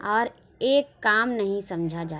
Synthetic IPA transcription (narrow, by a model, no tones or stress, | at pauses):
ɔːɾ | eːkːaːmnɐɦĩsɐ̃md͡ʒʱad͡ʒaː